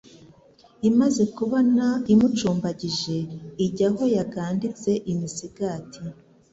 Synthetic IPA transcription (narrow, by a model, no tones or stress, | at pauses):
imaze̞kuβo̞naimut͡ʃuːmbaɟiʒe̞iɟaɦo̞jaɡaːndit͡se̞ʔimisiɡaːtʰi